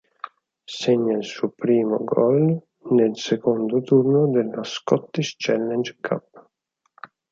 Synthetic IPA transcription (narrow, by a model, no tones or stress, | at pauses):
sɛɲːailsuːpɾiːmo̰ɡɔl | nelsekond̪ot̪urnod̪elːaskɔt̪ːiʃt͡ʃɛlːɛnd͡ʒkʰa̰pː